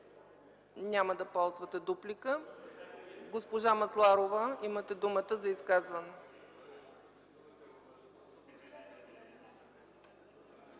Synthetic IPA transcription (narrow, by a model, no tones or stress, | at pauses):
nʲaməd̪ɐpɔlˠzvət̪ɛd̪uplikə | ɡospoʒamɐslˠaɾovəimət̪ɛd̪umət̪əzɐiskazvɐnɛ